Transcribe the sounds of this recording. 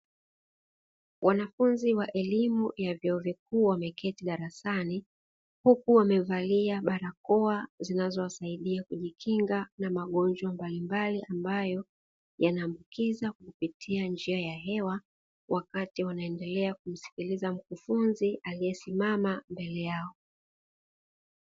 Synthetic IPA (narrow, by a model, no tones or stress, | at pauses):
wʔanafunziwaʔɛlimujavjɔɔvik̚uːwamɛkɛtiɗaɾasani | hukuwamɛvaliaɓaɾakɔazinazɔwasaiɗiakuʄikʰiŋɡanamaɠɔnd͡ʒwambalimbaliʔambajɔ | janaːmbukizakakupitʰiand͡ʒiajaɦɛwa | wʔakatiwanaɛndɛlɛak̚um̩si̥kilizam̩kufunziʔalijɛsimamambɛlɛjaɔ